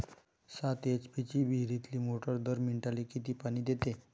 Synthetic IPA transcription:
sat̪et͡ɕpit͡ɕiːbʱiɾit̪liːmoʈəɾd̪əɾmiɳʈalikit̪iːpaɽ̃iːd̪et̪e

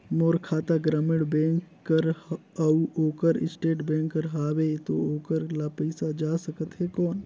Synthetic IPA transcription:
moːɾkʰaːt̪aɡɾəmɪɽbẽːŋkːəɾɐuoːkəɾɪsʈeːʈbẽːŋkːəɾɦaːwet̪ooːkəɾlapəɪsad͡ʒaːsəkət̪ɦɛkɔːn

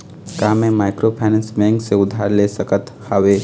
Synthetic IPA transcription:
kaːmẽmaɪkɾopʰaːnɛ̃nsbɛ̃ŋkseʊd̪ʱːaːɾlesəkət̪haweː

